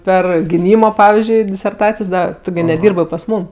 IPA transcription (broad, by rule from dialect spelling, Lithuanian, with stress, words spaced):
ˈpʲɛr ɡʲɪˈnʲiːmoː ˈpɑːʋʲɪzʲd͡ʒʲʊɪ dʲɪsʲɛrˈtɑːt͡sʲɪjoːs ˈdɐ ˈtʊ ɡʲɪ nʲɛˈdʲiːrbɜ pɐs ˈmuːm